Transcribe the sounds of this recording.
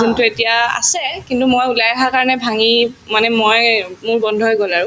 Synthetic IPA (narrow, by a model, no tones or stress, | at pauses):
untuetijaa̰sɛkintumojulajaxaɹkaɹɔnɛbʱaŋimanɛmojmʊɹbɔndʱɔjɡɔlaɹʊ